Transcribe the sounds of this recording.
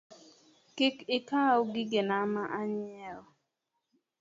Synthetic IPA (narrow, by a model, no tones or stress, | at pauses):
kɪkɪkaoɡɪɡenamaʔaɲɪɛɔ